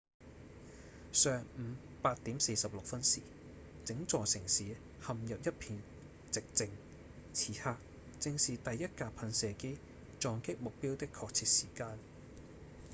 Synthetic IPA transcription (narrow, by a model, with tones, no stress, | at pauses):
sœː˨ŋm̩˨˧˦ | paː˧t̚t̪iː˨˥mse˧jsɐ˨p̚lʊ˨k̚fɐ˥nsiː˨˩ | t͡sɪ˨˥ŋt͡sɔː˨sɪ˨˩ŋsiː˨˥ | hɐ˨mjɐ˨p̚jɐ˥t̚pʰiː˨˧n | t͡sɪ˨k̚t͡sɪ˧ŋ | t͡sʰiː˨˥haː˧k̚ | t͡sɪ˧ŋsiː˨t̪ɐ˨jɐ˥t̚kaː˧pʰɐ˧nsɛː˨ke˥j | t͡ʃɔː˨˧ŋkɪ˥k̚mʊ˨k̚piː˥wt̪ɪ˥kʰːɔː˧k̚t͡sʰiː˧t̚siː˨˩kaː˧n